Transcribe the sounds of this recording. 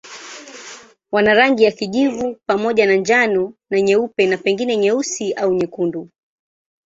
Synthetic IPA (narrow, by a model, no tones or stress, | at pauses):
wanaɾaŋɡijakiʄivupamɔʄanaɲd͡ʒanɔnaɲɛupɛnapɛŋɡinɛɲɛusiʔauɲɛkundu